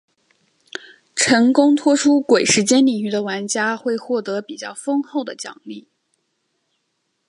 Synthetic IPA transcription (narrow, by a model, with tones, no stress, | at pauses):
ʈ͡ʂʰɤ˧˥ŋkʊ˥ŋt̪ʰwɔ˥ʈ͡ʂʰu˥kwe˨˩ɪʂɻ̩˧˥t͡ɕjɛ˥nli˨˩ŋy˥˩d̪ə˨wa˧˥nt͡ɕja˥xwe˥˧ɪxwɔ˥˩t̪ɤ˧˥pi˨˩t͡ɕjɑ˥˩ʊfɤ˥ŋxo˥˩ʊd̪ə˩t͡ɕjɑ̰˨˩ŋli˥˩